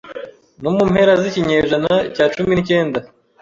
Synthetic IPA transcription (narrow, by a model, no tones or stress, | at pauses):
nomumhe̞ɾaziciɲeːʒanacaːt͡ʃuminice̞ːnda